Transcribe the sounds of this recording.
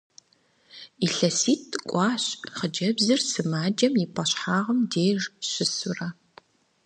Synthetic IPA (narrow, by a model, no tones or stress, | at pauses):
iɬɐsiːtʰkʷʼɑːɕχəd͡ʒɐbzɨrsɨmaːd͡ʒɐmjipʰɐɕħaːʁəmdeːʐɕɪsʊrɐ